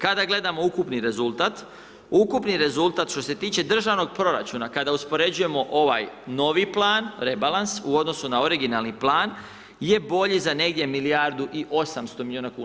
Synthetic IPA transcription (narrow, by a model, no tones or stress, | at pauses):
kad̪aɡle̞d̪amo̞ukupniɾe̞zulˠt̪at̪ | ukupniɾe̞zulˠt̪at̪ʃt̪o̞se̞t̪iːt͡ʃe̞d̪r̩ʒaʋno̞ɡ̚pɾo̞ɾa̰t͡ʃuːnakad̪auspo̞ɾe̞d͡ʑuje̞mo̞ʔoʋa̰jno̞ʋiplˠaːnɾe̞balˠansuo̞d̪no̞sunao̞ɾiɡinalˠniplˠaːn | je̞bo̞ʎizane̞ɡd̪je̞milijaɾd̪uʔiʔo̞samst̪omiljioːnakuːa